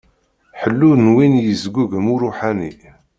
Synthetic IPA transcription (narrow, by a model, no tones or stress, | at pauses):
ħəlːuðnwinjəzɡʷuɡmuɾuħanḭ